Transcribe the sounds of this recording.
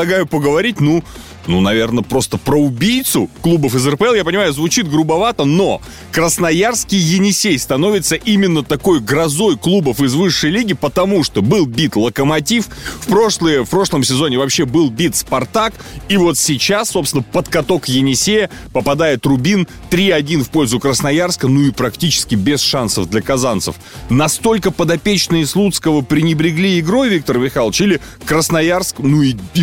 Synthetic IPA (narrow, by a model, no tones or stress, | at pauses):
ɐɡajʊpəɡəvɐɾʲit̚ʲnu | nunɐvʲe̞rnəpɾo̞st̪əpɾəʊbʲijt̪sʊklˠubəfɨzərpəɛlˠjapənʲɪmajʊzvʊt͡ɕit̪ɡɾʊbɐvat̪əno̞ | kɾəsnɐjarskʲɪjːɪnʲɪsʲejst̪ɐno̞vʲɪt̪səʔimʲɪnːət̪ɐko̞jɡɾɐzo̞jklˠubəfɨzvɨʂːəjlʲiɡʲɪpət̪ɐmuʂt̪o̞bɨlˠbʲit̪lˠəkəmɐtʲiffpɾo̞ʂlˠəjəfpɾo̞ʂlˠəmsʲɪzo̞nʲɪvɐpɕːebɨlˠbʲit̪spɐrt̪akivo̞t̪sʲɪt͡ɕasːopsʲɪnəpət̪kɐt̪o̞kjɪnʲɪsʲejə | pəpɐd̪ajɪt̪rʊbʲin | t̪ɾʲiɐdʲinfpo̞lʲzʊkɾəsnɐjarskənuɪpɾɐktʲit͡ɕɪ̥skʲɪbʲɪsʂansəvd̪lʲɐkɐzant̪sə̰f | nɐst̪olʲkəpəd̪ɐpʲet͡ɕnɨjəslˠut̪skəvəpɾʲɪnʲɪbɾʲɪɡlʲiɪɡɾo̞jvʲik̚t̪ərmʲɪxalˠt͡ɕilʲɪ | kɾəsnɐjarsknui